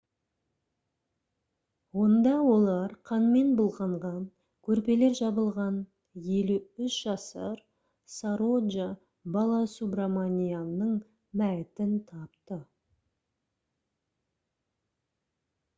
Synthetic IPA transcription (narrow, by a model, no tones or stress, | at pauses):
wo̞nd̪ɑwo̞lˠɑɾqʰɑnme̞nbʊlˠʁɑɴʁɑ | kʲʰɵɾpe̞le̞ɾʒɑbəlˠʁɑn | je̞luʏʃʒ̥ɑsə̰ɾ | saɾod̪ʒa | bɑlˠɑsubramanʲijanəɴ | mæt̪ɪnt̪ʰɑpt̪ə